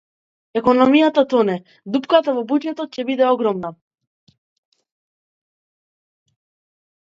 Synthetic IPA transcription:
ɛkɔnɔmijat̪at̪ɔnɛ | d̪upkat̪avɔbud͡ʒɛt̪ɔt̪̚cɛbid̪ɛɔɡɾɔmna

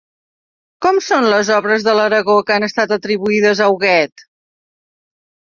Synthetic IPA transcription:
kɔmsonləzɔβɾəzðələɾəɣokanəst̪at̪ət̪ɾiβuiðəzəwɣɛt̪

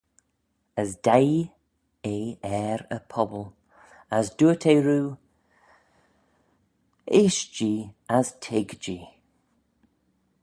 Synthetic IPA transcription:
əzd̥aj | eːɛɾə̰pʰɔbəlˠ | əzduətʰeːɹuː | ɪʃd͡ʒiːaztʰɪɡd͡ʒiː

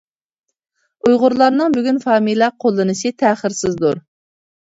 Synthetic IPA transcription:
ujʁʊɾlˠɑɾnɨŋbyɡʲynfɑːmijlˠɑqʰolˠːɨnɨʃɨt̪ʰæːχɪɾsɪzd̪uɾ

